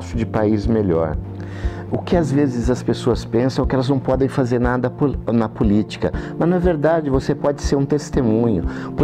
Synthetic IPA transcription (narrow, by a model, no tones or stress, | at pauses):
ʃʊd͡ʒɪpaizmeʎɔ̰ɾ | ʊkɪazvezɪzɐspesoɐspẽsɐ̃w̃kɪɛlɐznɐ̃w̃pɔd̪ẽj̃fazeɾnad̪ɐpnɐpʊlit͡ʃi̥kɐmɐznɐveɾd̪ad͡ʒɪvosepɔd͡ʒɪseɾũt̪est̪emũɲʊpʊɾ